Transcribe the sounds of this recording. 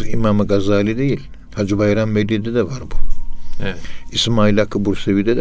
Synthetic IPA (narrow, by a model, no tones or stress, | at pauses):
ḭmamɯɡazaːlʲid̪ejilʲ | had͡ʒubajɾamːed̪id̪ɛd̪ɛvaɾbu | ismaːilʲakʰːɯbuɾsevid̪ɛd̪